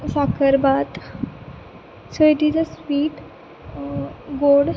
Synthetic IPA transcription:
sakʰəɾbat̪ | soiʈid͡zəsʋiːʈ | ɡoɽ

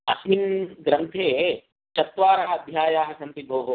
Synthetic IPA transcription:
ɐ̰sminɡɾɐnt̪ʰeː | t͡ʃɐt̪ʋaːɾɐɦɐɐd̪ʱjaːjaːɦɐsɐnt̪ibʱoːɦo

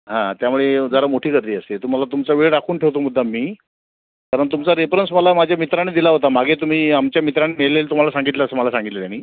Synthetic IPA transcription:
ɦãt̪jamuɭed͡zəɾamoʈʰiːkəɾt̪iːəset̪um̤alat̪umt͡saʋeɭɖakʰuːnʈʰeʋt̪omud̪ʱːamːiː | kaɾəɳt̪̬umt͡saɾefɾəns̬məlamad͡ʑʱjamit̪ɾañed̪ilaɦot̪amaɡʱet̪um̤iːamt͡ɕjamit̪ɾaɳimeɭlelt̪um̤alasaŋɡit̪ləəsəməlasãŋɡit̪lət̪janːiː

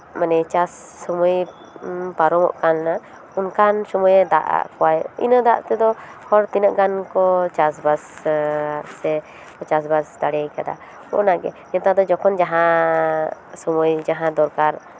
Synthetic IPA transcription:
manɛt͡ʃasːɔmuj | paɾɔmɔ̰ʔkanna | unkansɔmujɛd̪a̰ʔa̰ʔkɔwajḭnəd̪a̰ʔt̪ɛd̪ɔhɔɽt̪inəʔɡankɔt͡ʃas̬basː | ɛ | kɔt͡ʃas̬basd̪aɽɛjkad̪a̰ | kɔ̰naɡɛ̰ | jɛt̪ad̪ɔd͡ʒɔkʰɔnd͡ʒaɦã | sɔmujd͡ʒaɦãd̪ɔɾkaɾ

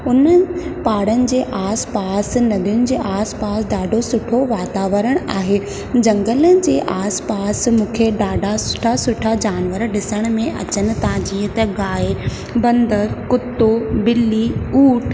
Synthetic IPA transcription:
ʊnəpaːɽənɪ̆d͡ʑeːʔaːspaːsnɐd̪ʱijʊnɪ̆d͡ʑeːʔaːspaːsɖaːɖʱosʊʈʰoʋaːt̪aːʋəɾəɽ̃a̰ːɦe | d͡ʑɐ̃ŋɡələnɪ̆d͡ʑeːʔaːspaːsmũːkʰeɗaːɖʱasʊʈʰasʊʈʰad͡ʑaːnʋəɾɗɪsəɽ̃̆mẽʔɐ̰t͡ɕənɪ̆t̪ɐãd͡ʑiːt̪ɐɡaːe | bɐ̃nd̪əɾkʊt̪ːobɪlːiuːʈʰ

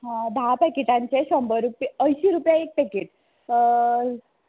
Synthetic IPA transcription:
ɦãd̪ʱapɛkiʈãɲt͡ɕeɕɔmbəɾupiəjɕiɾupjaek̚pɛkeʈ̚

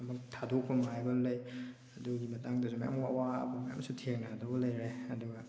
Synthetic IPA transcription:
ɐmɐk̚tʰadokːumajbɐlɐj | ɐduɡimɐtaŋdɐsumɐja̰mwawaɐ̰bɐmɐja̰msutʰeŋnadɐbɐlɐjɾeɐduɡɐ

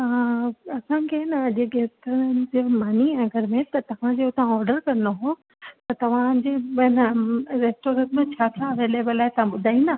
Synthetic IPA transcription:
ɐsãkʰenɐɐʄɡeːsʈnɪ̆d͡ʑemaːniɐɡʱəɾmẽt̪ɐt̪ɐʋ̤ãd͡ʑeʊt̪ãɔːɾɖəɾkɐ̃noɦo | t̪ɐt̪ɐʋ̤ãd͡ʑeɓɐɪnɾeːsʈoːɾə̃ʈmẽt͡ɕʰaːt̪ʰɾaɐʋeːleːbəlːaːɪt̪ɐʋ̤ãɓʊd̪ʱaːĩnd̪a

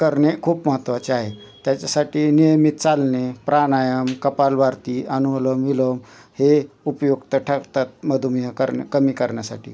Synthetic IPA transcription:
kəɾɳekʰuːpməɦət̪ʋat͡ɕeaɦe | t̪jat͡ɕasaʈiːnijəmit̪̚t͡salnepɾanajəmkəpalʋaɾt̪iːʔənuələmʋiləm | heupjoɡt̪əʈʰəkt̪at̪̚məd̪ʱumjəkə̰ɾkəmiːkəɾɳjasa̰ʈḭː

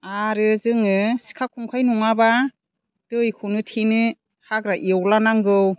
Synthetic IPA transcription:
aɾɯzɯŋɯsi̥kʰakʰuŋkʰajnuŋaba | tɯjkʰɯnɯtʰinɯ | haɡɾaʔiwlanaŋɡɯw

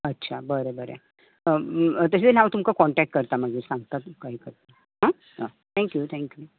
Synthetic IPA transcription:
ətːɕʰabəɾebəɾḛ | ət̪əset͡senaʋat̪umkakɔɳʈɛk̚ʈ̚kəɾt̪aməɡiːɾsãŋɡt̪at̪ukaɦiːkəɾt̪a | ɦã | t̪ʰɛ̃ŋkjut̪ʰɛ̃ŋkju

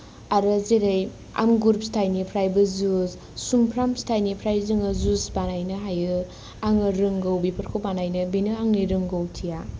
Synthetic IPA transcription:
aɾɯzeɾɯj | a̰mɡuɾpstʰajnipʰɾajbɯzuz | sumpʰɾamstʰajnipʰɾajzɯŋɯzusbanajnɯɦajɯ | aŋɯɾɯŋɡowbipʰɐɾkʰowbanajnɯbinɯaŋniɾɯŋɡowtʰija

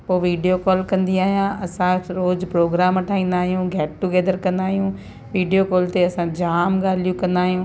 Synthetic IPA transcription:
poːʋiːɖijokɔːlkɐ̃nd̪iaːɦjãʔɐsãɾoːzpɾoːɡɾaːmɐʈʰaːĩːnd̪aːɦijũɡʱɛːʈʈːuɡɛːd̪əɾkɐ̃nd̪aːɦijũ | ʋiːɖijokoːlt̪eɐsãd͡ʑaːmɡaːlijũkɐ̃nd̪aːɦijũː

